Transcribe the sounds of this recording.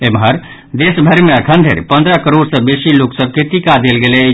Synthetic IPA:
emɦəɾ | d̪esbʱəɾmeəkʰənd̪ʱḛɾpənd̪ɾəkəɾoɽsə̃besiloksəb̚kit̪ikad̪elɡelɛ

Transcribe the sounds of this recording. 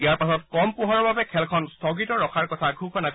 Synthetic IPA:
ijaɹpasɔt̚kɔmpʊɦaɹɔbabɛkʰɛlkʰɔnstʰɔɡitɔɹɔkʰaɹkɔtʰaɡʱukʰɔna

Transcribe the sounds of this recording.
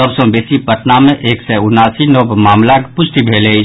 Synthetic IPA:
əbsõbeːsipəʈnamẽʔeːksɛʊnaːsinoːbmaːmlakpʊʃt̪ibʱeːlei

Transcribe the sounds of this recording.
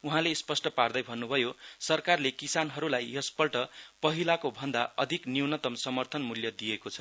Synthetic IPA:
uɦãlespʌsʈʌpard̪ʌjbʱʌnːubʱʌjosʌrkarlekisanɦʌɾulajjʌspʌlʈʌpʌɦilakobʱʌnd̪aʌd̪ʱikniwnʌt̪ʌmsʌmʌrt̪ʰʌnmuljʌd̪ijekot͡sʰʌ̥

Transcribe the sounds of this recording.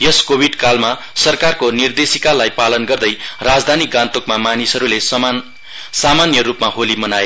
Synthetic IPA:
jʌskobʱiɖkalma | sʌrkarkonird̪esikalajpalʌnɡʌrd̪ʌjrad͡zd̪ʱaniɡãnt̪okmamanisʌɾules | samanjʌrupmaɦolimʌnae

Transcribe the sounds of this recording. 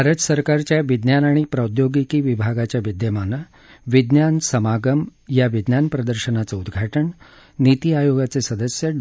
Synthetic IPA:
bʱaɾət̪səɾkaɾt͡ɕjaʋid̪njanaɽ̃ipɾəd̪joɡikiʋibʱaɡat͡ɕjaʋid̪jəmanːə | ʋid̪njansəmaɡəmjaʋid̪njanpɾəd̪əɾɕənat͡səud̪ɡʱaʈəɳ | nit̪iajoɡat͡sesəd̪əsjə

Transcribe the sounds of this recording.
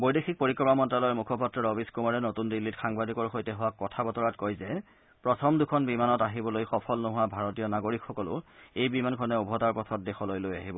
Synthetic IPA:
bojdexʰik̚poɹikːɹɔmamɔntɹalɔjmukʰɔpatɹɔɹɔbiskumaɹɛnotundilːitxaŋbadikɔɹxojtɛɦʊwakːɔtʰabɔtɔɹatkojzɛ | pɹɔtʰɔmdukʰɔnbimanɔtaɦibɔlojxɔpʰɔlnɔɦʊwabʱaɹɔtijɔnaɡoɹikxɔkɔlʊ̰ejbimankʰɔnɛubʱɔtaɹpɔtʰɔt̚dexɔlojloja̰ɦibɔ

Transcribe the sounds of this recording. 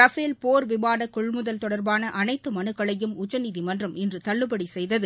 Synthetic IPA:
ɾɐfeːlpoːɾʋɪbaːɽɐkʊɭmʊðɐlt̪ɔɽɐɾbaːnɐʔɐnɐɪt̪ːɯmɐnɯkːɐɭɐjɯmʊt͡ʃːɐniðimɐndrɐmɪndrɯt̪ɐɭːɯbɐɽisɛjðɐðɯ

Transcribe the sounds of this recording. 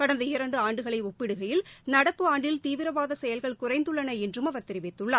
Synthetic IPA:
kɐɽɐnd̪ɐɪɾɐɳɖɯaːɳɖɯɣɐɭɐɪɔpːɪɽɯɣɐjɪlnɐɽɐpːɯaːɳɖɪlt̪iːʋɪɾɐʋaːðɐsɛjɐlɣɐɭkʊrɐɪnd̪ɯɭːɐnɐɛndrɯmɐʋɐɾt̪ɛɾɪʋɪt̪ːɯɭːaː

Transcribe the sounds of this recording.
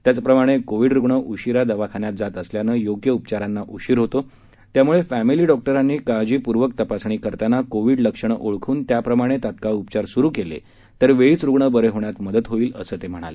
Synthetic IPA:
t̪jat͡sapɾəmaɽ̃ekoʋiːɖɾuɡɳəʔuɕiɾad̪əʋakʰaɳjat̪̚d͡zat̪əsljanəːjoɡjəupt͡ɕaɾanːaʔuɕiːɾɦot̪o | t̪jamuɭefæmiliːɖɔk̚ʈəɾanːiːkad͡ʑiːpuɾʋəkt̪əpasɳ̃iːkəɾt̪anakoʋiːɽləkʂəɳ̃əʔoɭkʰuːnt̪japɾəmaɽ̃et̪at̪kaupt͡ɕaɾsuɾuːkelḛ | t̪əɾʋeɭiːt͡sɾuɡɳəbəɾeɦoɳjat̪məd̪ət̪ɦoiːlə̰səːt̪em̤əɽ̃a̰le

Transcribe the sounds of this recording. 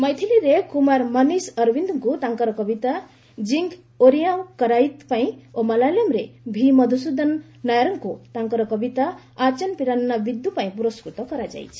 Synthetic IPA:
mʌjt̪ʰiliɾekumaɾmʌnisʌɾbind̪uŋkot̪aŋkʌɾʌkʌbit̪a | d͡ziŋɡ | oɾijawkʌɾajit̪paĩomalalamɾḛbʱimʌd̪ʱusud̪ʌnː | ajɾʌŋkot̪aŋkʌɾʌkʌbit̪a | at͡ʃʌnpiɾannːabid̪upaĩpuɾɔskɾut̪ʌkʌɾad͡za̰jt͡sʰi̥

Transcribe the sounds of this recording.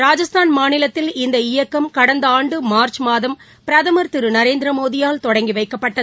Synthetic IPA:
ɾaːd͡ʒɐst̪ʰaːnmaːnɪlɐt̪ːɪlɪnd̪ɐɪjɐkːɐmkɐɽɐnd̪ɐaːɳɖɯmaːɾt͡ʃmaːðɐm | pɪɾɐðɐmɐɾt̪ɪɾɯnɐɾeːnd̪ɾɐmoːðɪjaːlt̪ɔɽɐŋɡiʋɐɪkːɐpːɐʈːɐ

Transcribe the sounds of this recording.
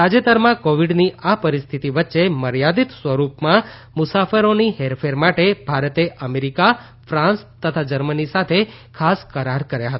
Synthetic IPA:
ad͡ʒət̪əɾmãkoʋiɖniʔapəɾist̪ʰit̪iʋətːʃeməɾjad̪it̪sʋəɾupmã | mʊsafəɾoniɦeɾfʰeɾmaʈeb̥ʱaɾət̪eʔəmeɾika | fɾãnst̪ət̪ʰad͡ʒəɾmənisat̪ʰe | kʰaskəɾaɾkəɾjaɦət̪a

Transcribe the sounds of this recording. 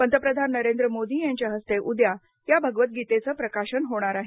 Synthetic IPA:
pənt̪əpɾəd̪ʱanːəɾend̪ɾəmod̪iːjaɲt͡ɕjaɦəst̪eʔud̪ja | jabʱəɡʋət̪̚ɡit̪et͡səpɾəkaɕənɦoɽ̃aɾaɦe

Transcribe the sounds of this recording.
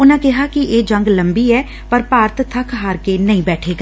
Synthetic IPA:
ʊnãːkɪɦaːkɪʔeːd͡ʒəŋɡləmbiːɛː | pəɾpaːɾt̪t̪ʰəkʰɦaːɾkeːnəĩːbɛːʈʰeːɡaː

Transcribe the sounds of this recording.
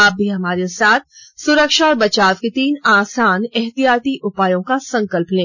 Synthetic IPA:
aːp̚bʱiɦɐmaːɾesaːt̪̚ʰsʊɾəkʃaɔːɾbɐt͡ʃaːtket̪iːnaːsaːnɛɦt̪ijaːt̪iʔʊpaːjõkasɐ̃ŋkəlplẽː

